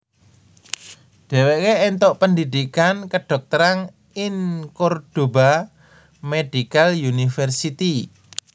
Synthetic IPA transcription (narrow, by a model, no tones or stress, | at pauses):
ɖ̥ɛ̤weʔkeʔent̪ɔʔpəndid̪ikankəɖ̥ɔ̤k̚t̪əɾaŋ | ɪnkord̥oba | med̥ikaljunifɛrsit̪i